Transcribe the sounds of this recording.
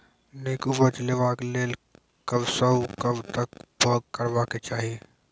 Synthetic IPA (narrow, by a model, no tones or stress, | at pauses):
neːkubət͡ʃleʋãːkleːl | kɐbsɐukɐbt̪ɐkbʱɔːɡ̚kɐɾʋaːket͡ʃaːɦie